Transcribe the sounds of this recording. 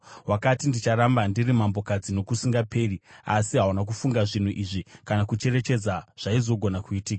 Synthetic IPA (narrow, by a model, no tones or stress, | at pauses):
wakatindit͡ʃaɾambandirimambo̞kad͡zino̞kusiŋɡape̞riasiɦawanak̬ufuŋɡaʐin̤uʔiʐikanakut͡ʃe̞re̞t͡ʃe̞d͡zaʐ̥aizo̞ɡʱo̞nakuitiːka